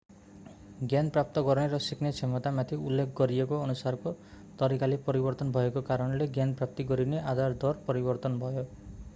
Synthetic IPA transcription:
ɡjanprap̚t̪ɔɡʌɾneɾʌsiknet͡sʰemʌt̪amat̪ʰiulːekʰɡʌɾiekoːnusarko | t̪ʌɾikalepʌɾibʌrt̪ɔnbʱʌekokaɾʌnleɡjanprap̚t̪iɡʌɾineʔad̪ʱard̪ɔrpʌɾibʌrt̪ʌnbʱʌjo

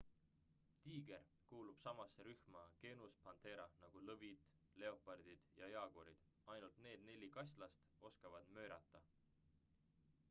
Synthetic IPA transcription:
t̪iːɡe̞r | kuːlub̥sɑmɑsːeɾyhmɑke̞nuspɑnt̪e̞ɾɑnɑɡ̥ulɤvid̪̥ | le̞o̞pɑrd̪̥id̪̥jɑeɑɡ̥oɾid̪̥ | ɑjnult̪ne̞ːd̪ne̞lʲikɑsʲlɑst̪o̞skɑvɑd̪̥mø̞ːɾɑt̪ˑːɑ

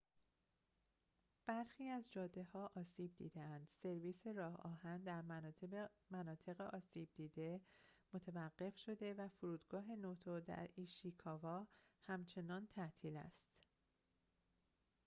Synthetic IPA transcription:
b̥æɾxiːæzd͡ʒɒːd̪ehɒːʔɒːsiːb̚d̪ḭːd̪eænd̪̥se̞ɾviːse̞ɾɒːhɒːɦænd̪æɾ | mænɒːt̪ʰe̞ɣeʔɒːsiːb̚d̪iːd̪e̞mot̪ʰevæɢːe̞fʃo̞d̪e̞væfoɾuːd̪ɡɒːɦe̞noːt̪ʰod̪æ̰ɾiːʃikʰɒːvɒːhæmt͡ʃʰe̞nɒːnt̪ʰæʔt̪ʰiːlæ̰st̪

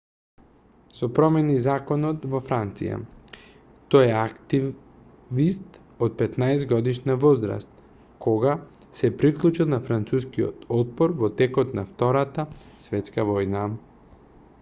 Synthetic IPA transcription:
sɔpɾɔmɛnizakɔnɔt̪vɔfɾant̪sḭja̰ | t̪ɔjɛakt̪i | vist̪ | ot̪̚pɛt̪naɛzɡɔd̪iʃnavɔzɾa̰st̪ | kɔɡa | sɛpɾiklˠut͡ʃilˠnafɾant̪suskiɔ̰t̪ɔd̪̚pɔɾvɔt̪ɛkɔt̪naft̪ɔɾat̪asvɛt̪skavɔjna

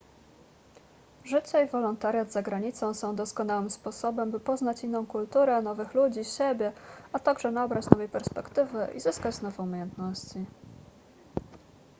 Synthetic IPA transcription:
ʐɘt͡ɕaivɔlɔnt̪aɾʲjad̪zaɡɾaɲit̪sɔ̃w̃sɔ̃w̃d̪ɔskɔn̪awɘmspɔsɔbɛmbɘpɔznat͡ɕinːɔ̃w̃kult̪uɾɛnɔvɘxlud͡ʑiɕebʲjɛat̪aɡʐɛnabɾat͡ɕnɔvɛjpɛɾspɛkt̪ɘvɘʔḭzɘskad͡ʑznɔvɛumʲejɛnt̪nɔɕt͡ɕi

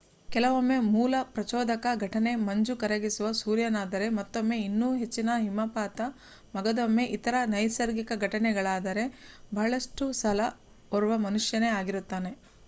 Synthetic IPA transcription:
kɛlɐʋomːe̞muːlɐpɾɐt͡ʃɔːd̪ɐkɐɡʱɐʈɐne̞mɐɲd͡ʒukɐɾɐɡisuʋɐsuːɾjɐnaːd̪ɐɾe̞mɐt̪ːomːe̞inːuːɦe̞t͡ʃːinɐɦimɐpaːt̪ɐ | mɐɡɐd̪omːe̞ʔit̪ɐɾɐnɐjsɐɾɡikɐɡʱɐʈɐnɛɡɐɭaːd̪ɐɾe̞bʱɐɐɭɐʂʈusɐlɐ | ɔɾuʋɐmɐnuʂjɐne̞aːɡiɾut̪ːaːne̞

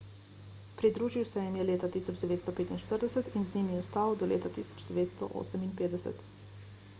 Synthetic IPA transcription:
pɾid̪ɾuːʒiwsɛjɛmjɛleːt̪at̪iːsɔd͡ʒd̪ɛʋeːt̪st̪ɔpeːt̪inʃt̪əɾd̪ɛsɛt̪inznimiɔst̪aːwd̪ɔlḛːt̪at̪isɔ̥d͡ʒd̪ɛʋeːt̪st̪ɔ̰ʔo̰ːsəminpeːd̪ɛsɛ̰t̪

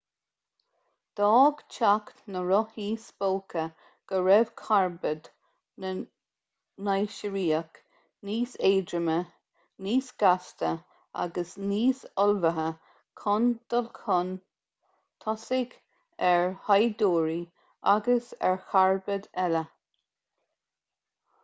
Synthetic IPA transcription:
d̪̥ɔːɡ̥t͡ʃʰakt̪nəɾɔhiːsboːkʰə | ɡ̥əɹɛv̥kʰaɹbəd̪ | nə | najʃəɹiːək | niːseːdɾəmə | niːsɡ̥ast̪ə | a̰ɡəsniːsɔlvəɦə | kʰɔnd̪̥ɔlkʰɔn | t̪ʰɔsɪɡ | ɛɹhajd̪oːɹi | ʔa̰ɡəsɛ̰ɹxaɹbəd̪ɛlə

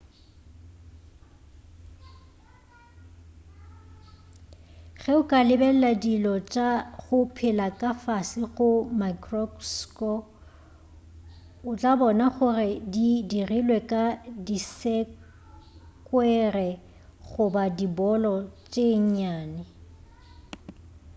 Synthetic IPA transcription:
ɣɛʊkʼalɪbɛl̩ladilɔt͡ʃʼaɣʊpʰɪlakʼafasɪɣʊmakrɔskɔ | ʊt͡ɬʼabɔnaχʊrɪdidirilwɛkʼadisɛ | kʼwɛrɛ | ɣʊbadibɔlɔt͡ʃʼeŋ̩ɲaːnɪ

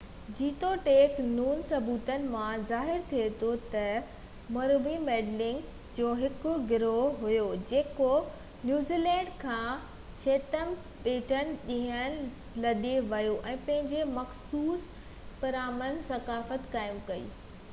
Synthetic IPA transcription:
d͡ʑiːt̪oʈeːknuːnsɐbuːt̪ənɪ̆mãzaːɦɪɾt̪ʰiet̪ʰot̪ɐ | mɐɾʋimeːɖlɪ̃ŋɡ | d͡ʑoːɦɪkʊ̆ɡɪɾoɦʊjod͡ʑeːko | njuːziːlɛ̃ːɳɖkʰãː | t͡ɕʰeːt̪əm | ɓeːʈənɪ̆ɗĩɦənɪ̆ | lɐɗeʋɐjoʔɛ̃ːpɐ̃ɦɪ̃ɲd͡ʑemɐxsuːs | pɐɾaːmənsɐkaːfət̪kaːɪmkɐḭː

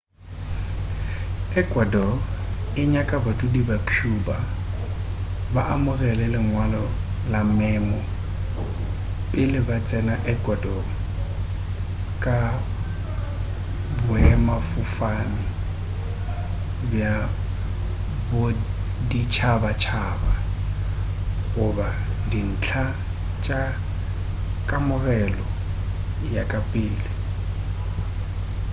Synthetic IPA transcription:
ɛkʼwadɔɪɲakʼabatʼudibakʰjuːba | baʔamʊrɛlɛlɪŋwalɔ | lamɛːmɔ | pʼɪlɪbat͡sʼɛnaʔɛkʼwadɔ | kʼa | bʊɛmafʊfanɪ | bja | bʊdit͡ʃʰabat͡ʃʰaːba | ɣʊbadin̩t͡ɬʰa | t͡ʃʼa | kʼamʊɣɛlɔ | jakʼapʼɪːlɪ

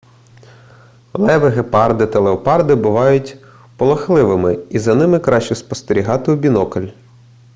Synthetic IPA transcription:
lˠɛʋeɦepɑrd̪ɪt̪ɐlˠeɔpɑrd̪ɪbʊʋɑjʊtʲ | pɔlˠɐxlˠɪʋɪmɪizɐnɪmɪkɾɑʃt͡ʃɔspɔst̪eɾʲiɦɑt̪ɪubʲinɔkɐlʲ

